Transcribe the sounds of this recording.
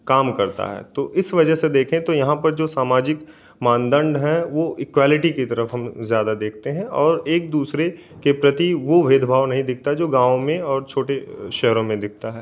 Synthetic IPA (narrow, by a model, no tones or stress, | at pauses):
kaːmkɐɾt̪a̰ɦɛ̰ːt̪oːʔɪsʋɐd͡ʒəɦsed̪eːkʰẽt̪ojɐɦãpɐɾd͡ʒoːsaːmaːd͡ʒɪk | mãːnd̪ə̃ɳɖɦɛ̃ʋoɪkwaːlɪʈikit̪ɐɾəfɦɐ̃mzjaːd̪ad̪eːk̚ʰt̪eɦɛ̃ɔːɾeːk̚d̪uːsɾe | kepɾɐt̪iʋoʋeːd̪ʱbʱaːʋnɐɦĩd̪ɪk̚ʰt̪aɛd͡ʒoːɡãːʋõmẽɔːɾt͡ʃʰoːʈeʃɛɦɾõmẽd̪ɪk̚ʰt̪aɦɛː